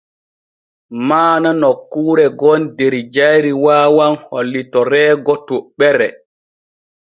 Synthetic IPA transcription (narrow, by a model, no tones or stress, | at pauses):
maːnanɔkːuːɾɛɡɔndeɾid͡ʒajɾiwaːwanholːitɔɾɛːɡɔtuɓɛɾɛ